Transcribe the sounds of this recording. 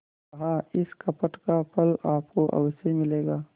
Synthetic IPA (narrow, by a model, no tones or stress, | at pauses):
ɐɦaːɪskɐpəʈkapɐlaːpkoʔɐ̰wsemɪleːɡaː